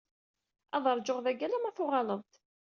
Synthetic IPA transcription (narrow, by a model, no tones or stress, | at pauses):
ɑðˤəɾˤd͡ʒʊʁðæɡælæmæθʊʁɑləðˤt̪